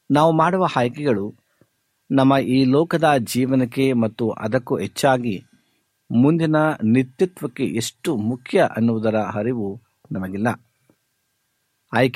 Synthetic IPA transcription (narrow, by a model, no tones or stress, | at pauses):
naːʋumaːɽuʋɐhaːjkɛɡɐɭu | nɐmːɐʔiːlɔːkɐd̪ɐd͡ʒiːʋɐnɐkːe̞mɐt̪ːuʔɐ̰d̪ɐkːuɦet͡ʃːaːɡi | mund̪inɐnit̪jut̪ʋɐkːe̞ʔeʂʈumukʰjɐʔɐnːuʋud̪ɐɾɐɦɐɾiʋu | nɐmɐɡilːɐ | aːjk